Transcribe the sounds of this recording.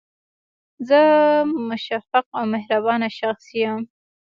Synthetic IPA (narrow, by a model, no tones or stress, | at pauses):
zəmʊʃafaq̚awmɪhɾabɑnaʃaxsijam